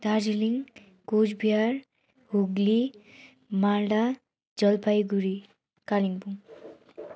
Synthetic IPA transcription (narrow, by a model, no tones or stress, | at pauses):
d̪aɾd͡ʒiliŋ | kod͡ʒbʱijaɾ | huɡli | malɖa | d͡zʌlpʰajɡuɾi | kaliŋbuŋ